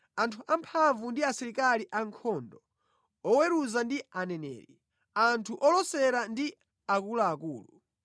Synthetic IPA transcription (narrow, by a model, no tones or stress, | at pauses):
antʰuʔampʰaɱvundiasɛɾikaliʔaŋkʰɔndɔ | ɔwɛɾuzandianɛnɛ̰ːɾḭ | antʰuʔɔlɔsɛɾandi | akulaːkuːlṵ